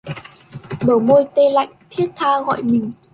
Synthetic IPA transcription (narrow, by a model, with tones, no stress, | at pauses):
ɓəː˨˩mo˧jt̪e˧la̰˧˨jŋ̟t̪ʰi˦˥ət̚t̪ʰaː˧ɣɔ̰˧˨jmï˨˩ŋ̟